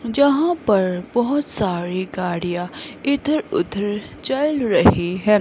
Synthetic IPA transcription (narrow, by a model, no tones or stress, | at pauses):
d͡ʒɐɦãpɐɾbɔɦʊt̪saːɾiɡaːɽijaɪd̪ʱəɾʊ̰d̪ʱəɾ | t͡ʃaɪlɾɐɦiɦɛ̃ː